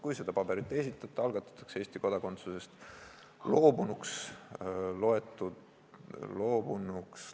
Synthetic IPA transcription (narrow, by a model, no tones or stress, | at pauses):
kujse̞d̪̥ɑpɑb̥e̞ɾit̪ːˑe̞sit̪ːˑɑt̪ːˑɑɑlɡ̥ɑt̪ːˑɑ̥t̪ːˑɑ̥kse̞ːst̪iko̞d̪ɑko̞nt̪suse̞st̪ | lo̞ːbunuks | lo̞e̞t̪ːˑud̪ | lo̞ːbunuks